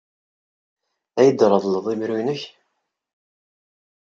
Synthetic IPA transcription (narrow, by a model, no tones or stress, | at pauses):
æjəd̪ɾˤəðˤləðˤimɾujnəç